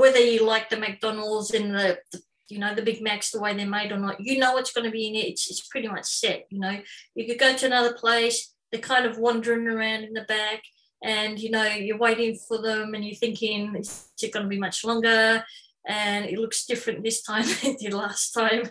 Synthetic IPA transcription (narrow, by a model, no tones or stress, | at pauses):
wɛðə˞jɨlaɪk̚ðɨmæk̚d̥ɔnl̩ˠdzɨ̃nðɨðə | jɨnoʊðɨbɪɡ̚mæksðəweɪðə˞meɪɾə˞nəʔjɨnoʊwʌtsɡ̥ʌnɨbiɨ̃nɪɾɨtsɨtspʰɹ̥ɪɾimʌt͡ʃsɛt̚jɨnoʊjɨkɨd̚ɡoʊɾɨɨnʌðə˞pʰl̥eɪs | ðə˞kʰãɪ̃ndʌvwʌ̃ndə˞ɪ̃ŋə˞ãʊ̃ndɨ̃nðɨbæk | ʔɨ̃njɨnoʊjə˞weɪɾɪ̃ŋfə˞ðə̃mɨ̃njə˞θɪ̃ŋkʰɪ̃ŋɪd͡ʒ̥ɨs̚ɡ̥ʌnəbimʌt͡ʃlɔ̃ŋɡə˞ | ʔɨ̃nɪ̰tˡlʊksd̥ɪfɹɨ̃nðɪstʰãɪ̃mɨdˡlæstʰãɪ̃m